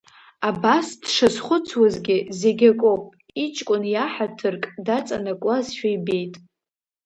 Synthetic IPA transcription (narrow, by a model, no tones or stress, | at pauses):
abasd̥ʂazχʷʊt͡sʰwazɡʲɪzeɡʲakʼowpʼ | it͡ʃʼkʷʼʊnjaħatʰɨrkʼdat͡sʼanakʷʼazʃᶣajbe̞jtʼ